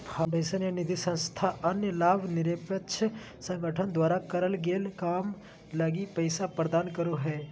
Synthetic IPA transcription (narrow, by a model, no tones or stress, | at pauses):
pʰaɖeːsənjanɪd̪ʱisɐ̃nst̪ʰaʔɐnjəlaːbʱnɪɾeːpət͡ʃʰ | sɐ̃ŋɡʱəʈʰənd̪waːɾakɐɾəlɡeːlkaːm | lɐɡipəɪsapɾəd̪aːnkəɾoɦɛː